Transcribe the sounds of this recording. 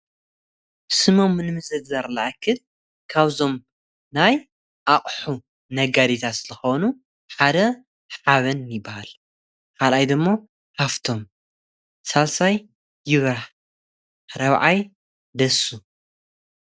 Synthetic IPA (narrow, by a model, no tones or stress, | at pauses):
sɨmo̞mnɨmɨzɨɡzaɾlaʔakʰɨl | kʰaβzo̞m | naj | ʔaχʼħu | nɐɡad̪it̪ʰat̪lɨxonu | ħad̪ɐ | ħaβɐnjɪbːahal | kʰalajd̪ɨmːo̞ | kaft̪ʰo̞m | salsaj | jɪβɾaħ | ɾɐβʕaj | d̪ɐsu